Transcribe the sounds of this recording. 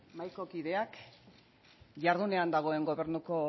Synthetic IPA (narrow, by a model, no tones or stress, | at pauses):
majko̞kiðe̞ak | ʝaɾðune̞and̪aɣ̞o̞e̞ŋɡo̞βe̞ɾnuko̞